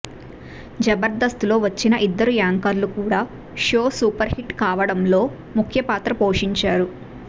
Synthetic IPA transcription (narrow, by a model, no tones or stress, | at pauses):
d͡ʒɐbɐɾd̪ɐst̪ulo̞ːʋɐt͡ʃːinɐʔid̪ːɐɾujaːŋkɐɾlukuːɽaː | ʂoːsuːpɐɾhiʈkaːʋɐɽɐmlo̞ː | mukʰjɐpaːt̪ɾɐpo̞ːʂiɲt͡ʃaːɾu